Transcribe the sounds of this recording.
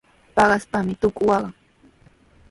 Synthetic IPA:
pɑɢɑspamɪt̪ʊkʊwɑɢɑ

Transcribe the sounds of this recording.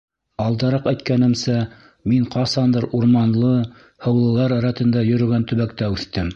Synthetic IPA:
ɑlˠd̪ɑɾɑqæjt̪̚kænɘ̆msæ | miɴqʰɑsɑnd̪ɤɾuɾmɑnlˠɤ | hɤ̆wlˠɤ̆lˠɑɾɑɾɑt̪ɤ̆nd̪ɑjɵ̆ɾɵ̆ɡænt̪ɵ̆βækt̪æʉθt̪ɘm

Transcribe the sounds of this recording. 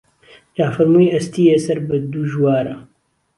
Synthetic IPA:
d͡ʒaːfɐɾmuːjɐst̪iːjesɐɾbɨd̪uʒwaːɾɐ

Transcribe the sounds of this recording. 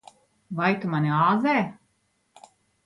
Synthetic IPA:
vajt̪umanʲiaːzɛː

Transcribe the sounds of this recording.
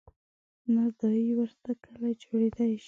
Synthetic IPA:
nad̪aiwəɾt̪akʰəlajd͡ʒoɽed̪ajʃ

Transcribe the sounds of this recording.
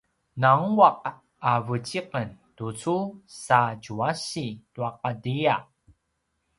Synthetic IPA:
naŋuaq̚ | avət͡ɕiqəntut͡susaɟuaɕituaq̚adia

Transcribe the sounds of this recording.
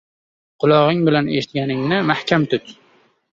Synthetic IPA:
qʰʊlˠɒʁɪŋbɪlaneʃɪt̪̚ɡʲanɪŋnɪmahkʲʰamt̪ʰʊt̪

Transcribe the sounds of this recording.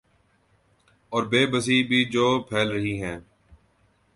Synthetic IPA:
ɔːɾbeːbəs̬iːbʱiːd͡ʒoːpʰɛːlɾəɦiːɦɛ̃ː

